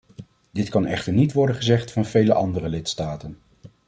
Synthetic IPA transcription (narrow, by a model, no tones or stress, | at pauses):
d̥ɪtkɑnɛ̰χtəɹnitʋɔɹdənχəzɛχtfɑnv̥ejləʔɑndərəlɪtstaːtən